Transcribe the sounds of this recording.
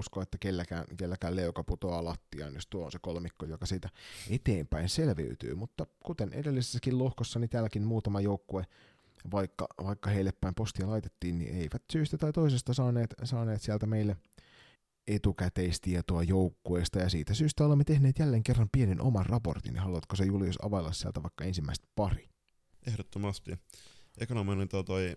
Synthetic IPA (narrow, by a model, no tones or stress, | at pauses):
uskoet̪ːækelːækæ̰ːnkelːækæːleukɑput̪oɑlɑt̪ːiɑ̰injost̪uɑonsekolmikːojokɑsiːt̪æet̪eːmpæinselʋḛyt̪y̰ːmut̪ːɑkut̪enḛdelːise̥sːækillohkosːɑnit̪æːlːækinmuːt̪ɑmɑjoukːue | ʋɑikːɑ̰ʋɑikːɑheilːepːæimpost̪iɑlɑit̪et̪ːiːnnḭʔḛiʋæt̪syːst̪æt̪ɑit̪oisest̪ɑsɑːneːt̪sɑːneːt̪siælt̪æmeilːe | et̪ukæt̪eist̪iet̪oɑjoukːueːst̪ɑjɑsḭːt̪æsyːst̪æolemːet̪e̞hneːt̪jælːeːŋkerːɑmpienenʔo̰mɑnrɑpo̞̰rt̪ḭnḛɦɑluɑt̪kosejuliosɑ̰ʋɑilːɑssiæ̰lt̪æʋɑikːɑensimːæist̪pɑri | ehɾot̪ːomɑst̪iekonominent̪oɑt̪oi